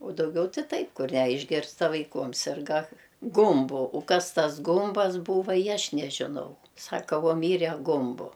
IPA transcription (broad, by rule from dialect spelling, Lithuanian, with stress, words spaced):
ʊ dɐʊˈɡʲɛʊ tʲɪ ˈtɐɪp ˈkʊr ˈnʲɛ ɪʒʲˈɡʲɪrzdɐʋɐɪ ˈkuɔm ˈsʲɪrɡɐ ˈɡʊmbʊ ʊ ˈkɐs ˈtɐs ˈɡʊmbɐs ˈbuːʋɐ ɪ ˈɐʃ nʲɛʒʲɪˈnɐʊ ˈsɑːkɐ ˈʋuɔ ˈmʲiːrʲɛ ˈɡʊmbʊ